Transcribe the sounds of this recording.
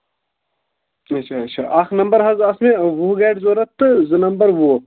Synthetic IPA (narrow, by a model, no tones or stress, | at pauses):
ɐtːʃʰaːɐtːt͡ʃʰa̰ːʔaxnɐmbɐɾɦɐzɐsmẽʋuɡeːɖzoːɾɐt̪ːɨzɨnɐmbɐɾʋu